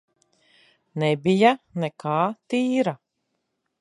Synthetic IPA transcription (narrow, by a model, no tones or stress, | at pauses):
nɛbijanɛkʰaːt̪iːɾa